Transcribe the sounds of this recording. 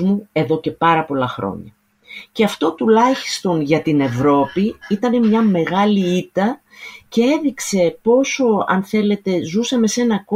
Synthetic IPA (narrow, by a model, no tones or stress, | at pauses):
mue̞ðo̞ce̞pɐɾɐpo̞lɐxɾo̞̰ɲɐ̰ | ce̞ɐft̪o̞t̪ulɐçi̥st̪o̞nʝɐt̪ine̞vɾo̞piit̪ɐne̞mɲɐme̞ɣɐliit̪ɐ | ce̞e̞ðikse̞po̞so̞ɐ̰nθe̞le̞t̪e̞zusɐme̞se̞nɐko